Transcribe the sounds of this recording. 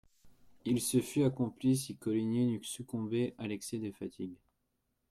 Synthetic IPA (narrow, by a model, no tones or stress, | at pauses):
ilsəfyakɔ̃plis̬ikɔlinenyksykɔ̃beʔalɛksɛd̪efat̪ʰiɡ